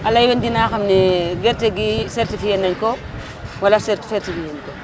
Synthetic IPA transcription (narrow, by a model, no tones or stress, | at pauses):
alːajwendinaːxamneɡeɾteɡiseɾtifijenɐŋko | walaseɾti̥feɾtifijenko